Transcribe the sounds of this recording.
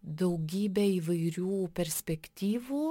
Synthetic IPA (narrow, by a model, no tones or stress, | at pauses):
d̪ɐʊɡʲiːbʲɛiːʋɐɪɾʲuːpʲɛɾʲsʲpʲɛkt̪ʲiːʋuː